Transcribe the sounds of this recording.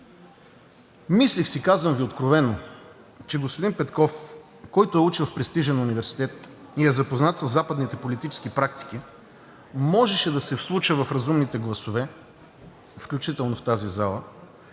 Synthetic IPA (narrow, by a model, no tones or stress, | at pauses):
mislixsikazvəmviot̪kɾovɛno | t͡ʃɛɡospod̪inpɛt̪kɔf | kɔjt̪ʊɛut͡ʃilˠfpɾɛst̪iʒɛnʊnivɛɾsi̥t̪ɛt̪iɛzɐpoznat̪sɐsːapəd̪nit̪ɛpolit̪it͡ʃɛ̥skipɾak̚t̪i̥k̟i | mɔʒɛʃɛd̪ɐsɛfslˠut͡ʃəvɐfɾɐzumnit̪ɛɡlˠɐsovɛ | fklʲut͡ʃit̪ɛlˠnoft̪azizalˠə